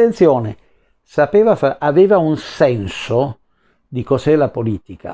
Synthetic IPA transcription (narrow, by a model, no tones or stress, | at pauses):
ent̪sjoːne | sapeːvafaʔaveːvaunsɛnso | d̪ikozɛlapoliːt̪ikʰa̰